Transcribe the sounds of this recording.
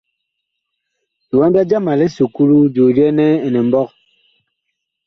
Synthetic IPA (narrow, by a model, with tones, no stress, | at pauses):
di˨wa˦mba˦d͡ʒa˦ma˨lɛ˦su˨ku˦lu˦d͡ʒo˨ɾɛ˦nɛ˦ɛ˨nɛ˨m̩˦bɔ˦k̚